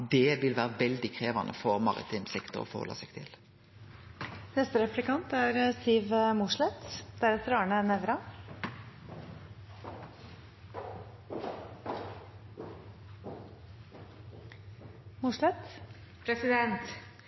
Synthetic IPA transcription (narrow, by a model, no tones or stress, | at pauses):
d̪ɛʋɪlʋæːʁəʋɛld̪ɪkʰʁeːʋɑnʔə̰fɔʁmɑʁɪ̰t̪ʰɪmsɪkt̪ʰəɔ̰fɔhɔlːɑ̰sɛɡ̥̚t̪ʰɪ̰l | nɛst̪əɾɛplɪkɑnt̪æɾəsiːʋəmʊʂlɛt̪d̪̥æɾɛt̪əɾɑːɳənɛʋɾɑ | mʊʂlɛt̪ | pʰɾɛsɪd̪ɛnt̪